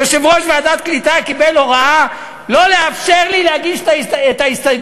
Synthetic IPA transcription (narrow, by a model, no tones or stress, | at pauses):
eʃemʁoʃveadat̪̚klit̪akibeloʁaa | lo̞leafʃeʁlileaɡiʃtaet̪aist̪a